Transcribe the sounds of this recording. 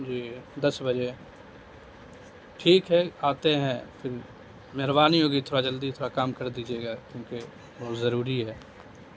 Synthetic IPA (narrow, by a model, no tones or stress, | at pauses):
d͡ʒiːd̪ɐsbɐd͡ʒe | ʈʰiːkɦɛaːt̪eɦɛ̃pʰɪɾ | meɦɾbaːniɦoːɡit̪ʰoːɾad͡ʒəld̪it̪ʰoːɾakaːmkɐɾd̪iːd͡ʒeːɡaːkjõːke | bɔːt̪zɐɾuːɾiɦɛː